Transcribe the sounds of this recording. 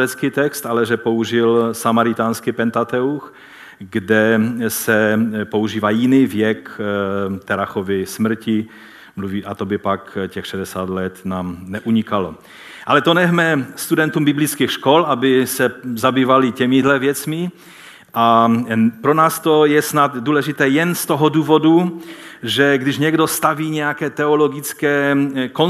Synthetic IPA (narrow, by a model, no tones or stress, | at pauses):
ɛt͡skit̪ɛkst̪ʔalɛʒɛpouʒɪlsamaɾɪt̪aːnskipɛnt̪at̪ɛux | ɡdɛsɛpouʒiːvaːjɪniːvjɛk | t̪ɛɾaxovɪsmr̩cɪ | mluviːʔat̪obɪpakcɛxʃɛdɛsaːt̪lɛt̪naːmnɛʔuɲikalo | ʔalɛt̪onɛɦmɛst̪udɛnt̪umbɪblit͡skiːxʃkolʔabɪsɛzabiːvalɪcɛmɪdlɛvjɛt͡smɪ | ʔa | pɾonaːst̪ojɛsnat̪duːlɛʒɪt̪ɛːjɛnst̪oɦɔduːvodu | ʒɛɡdɪʒɲɛɡdost̪aviːɲɛjakɛːt̪ɛoloɡɪt͡skɛːko